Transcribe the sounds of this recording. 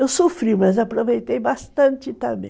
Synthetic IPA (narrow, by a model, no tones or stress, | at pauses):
ewsofɾiwmɐzapɾovejt̪ejbast̪ɐ̃nt͡ʃ̪ɪt̪ɐ̃bḛ̃